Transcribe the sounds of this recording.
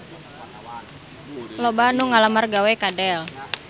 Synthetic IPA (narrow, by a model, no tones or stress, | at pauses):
lobanuŋalamarɡawekadɛl